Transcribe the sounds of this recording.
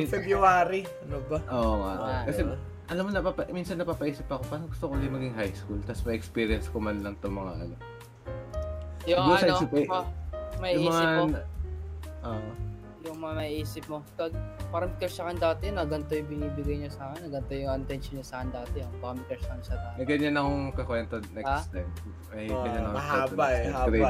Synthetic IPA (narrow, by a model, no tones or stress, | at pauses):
fɛbɾuaːɾi | ɐnobɐʔoːŋa̰ʔkɐsɛ | ʔɐlamːonɐpapɐminsɐnːɐpaːpɐʔiːsɪp̚ːɐko̞paːɾɐŋɡʊst̪okod̪ɪmɐɡɪŋɦajskult̪ɐsmɐʔɛkspiːɾɪɐnskomɐnlɐŋt̪oŋmɐŋaʔɐ̰no̞ | jʊŋjoɐʔinoːsɪpɐ | mɐiʔjʊimɐsa | ʔoʔo | jʊŋmɐŋamɐhiʔiːsɪp̚mopɐɡ̚pɐɾɐmɪkɛɾsɐkɐnd̪aːt̪ɛnɐɡɐnt̪ojʊŋbɪniːbɪɡɐjɲɐsaːkɪnːɐɡɐnt̪ojʊŋɪnt̪ɛnʃonɐsaːkɐnd̪aːt̪ɛjʊŋpːɐmɪkɛɹsɐkɐnsɐd̪aːt̪nɐɡɐɲanɐkoŋkɐkwɛnt̪onɛkst̪ajm | ɐɡɐɲanɐkɛbaaɾe